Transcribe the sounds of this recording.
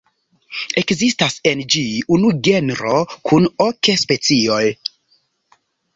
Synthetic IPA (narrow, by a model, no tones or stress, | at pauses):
e̞kzistasend͡ʒiunuɡe̞nɾo̞kʰunokespe̞t͡sio̞j